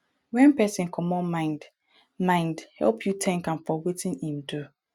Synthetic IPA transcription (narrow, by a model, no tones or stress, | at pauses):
wɛ̃npɛsɪ̃nkʰɔmɔmãɪ̃nd | mãɪ̃ndhɛ̰lˠpʰjutʰɛ̃ŋkãnfɔwetʰɪ̃nĩmdu